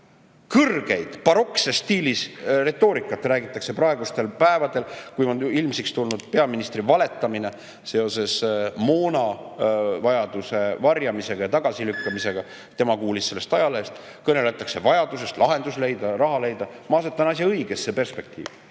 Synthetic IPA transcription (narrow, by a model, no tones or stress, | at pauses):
kɤrɡ̥e̞jd̪̥pɑɾo̞ksest̪iːlisre̞t̪ːˑo̞ːɾikːˑɑt̪ːræːɡit̪ːˑɑkse̞prɑe̞ɡ̥ust̪e̞lpæe̞vɑd̪e̞lkujonilmsekst̪ulnud̪̥̚pe̞ɑminist̪rivɑle̞t̪ːˑɑmine̞ | se̞o̞se̞smoːnɑ | vɑjɑd̪̥use̞vɑrjɑmise̞ɡ̥ɑjɑt̪ɑɡ̥ɑsilykːɑmise̞ɡ̥ɑ | t̪ːe̞mɑkuːlisse̞lːest̪ɑjɑlest̪ | kɤne̞let̪ːˑɑkse̞vɑjɑd̪use̞st̪lɑɦe̞nd̪usle̞jd̪̥ɑɾɑɦɑle̞jd̪ɑmɑːset̪ːˑɑnɑsʲjɑɤjɡ̥e̞sːe̞pe̞rspe̞k̚t̪ḭːv̥